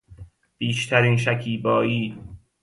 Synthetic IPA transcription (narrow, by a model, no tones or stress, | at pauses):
b̥iːʃt̪ʰæɾiːnʃ̬ækʰiːbɒːjiː